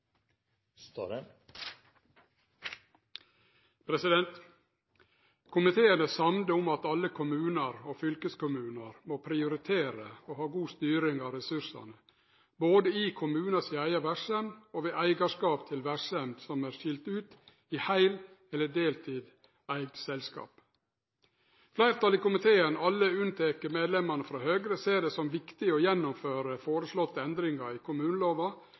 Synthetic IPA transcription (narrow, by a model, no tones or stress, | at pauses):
t̪ | pʰɾɛsɪd̪ɛnt̪ | kʰʊmɪt̪ʰeːənəsɑmnəʊmɑt̪ɑlːəkʰʊmʉːnɑɾoːfʏlkəskʊmʉːnɑɾmoːpʰɾɪʊɾɪt̪ʰeːɾəoːhɑːɡuːst̪yːɾɪŋɑːʋɾɛsʉʂɑ̰nə | boːd̪əiːkʰʊmʉːnɑsɪæɪɑʋæʂɛmɔʋeːʔæɪɡɑʂkɑːpt̪ʰɪlʋæʂɛmd̪sɔmæːɾʃɪlt̪ʉːt̪ | ihæɪl | ɛlːəɖeːlt̪ʰiːd̪ | æɪɡsɛlskɑ̰ːp | flæɪɾt̪ʰɑlɪkʊmɪt̪ʰeːənɑlːəʉnt̪ʰeːkəɾmeːd̪lɛmːɑɳəfɾɑːhøːɡɾəseːɖɛsɔmʋɪkt̪ɪɔjɛnːʊmføːɾəfoːɾəslɔt̪ːəɛnd̪ɾɪŋɑɾɪkʰʊmʉːnəloːʋɑ